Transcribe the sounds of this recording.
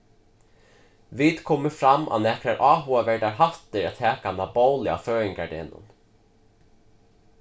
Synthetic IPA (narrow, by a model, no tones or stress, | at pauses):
viːt̪kʰɔːmɪfɾamːa̰wnɛkɾaɾʔɑːɦuavɛɹɖ̪aɹɦaft̪ɪɾat̪ʰɛːkanaboːwlɪa̰føːɪŋkaɖ̪ɛ̰ːnʊ̰n